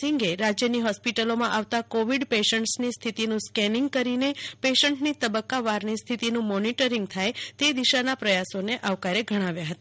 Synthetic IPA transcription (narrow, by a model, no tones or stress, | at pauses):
siŋɡeɾad͡ʒjəniɦɔspiʈəlomãʔaʋt̪akoʋiɖpeʃəɳʈsnist̪ʰit̪inũskɛniŋɡ̚kəɾinepeʃəɳʈnit̪əbəkːaʋaɾnist̪ʰit̪inũmɔniʈəɾiŋɡ̚t̪ʰajt̪ed̪iʃanapɾəjasoneʔaʋkaɾeɡʱəɽ̃aʋjaɦət̪a